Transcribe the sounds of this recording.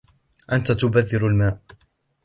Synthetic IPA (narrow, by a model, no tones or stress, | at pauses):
ʔant̪at̪ʊbaðːɪɾalmaːʔ